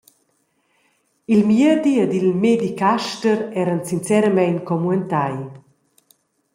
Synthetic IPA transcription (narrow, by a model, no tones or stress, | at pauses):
ilmjəd̪iəd̪ilmed̪ikaʃtəɾɛɾənsint͡sɛɾəmɛjnkɔmuɛnt̪aj